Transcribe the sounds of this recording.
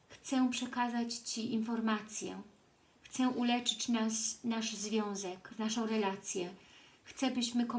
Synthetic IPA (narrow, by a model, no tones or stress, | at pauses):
xt̪sɛpʂɛkazat͡ɕt͡ɕiʔinfɔɾmat̪sʲjɛ̰ | xt̪sɛʔulɛt͡ʂɘ̥t͡ɕnasnaʂzvʲjɔ̃w̃zɛkvnaʂɔ̃w̃ɾɛlat̪sʲjɛxt̪sɛbɘɕmɘkɔ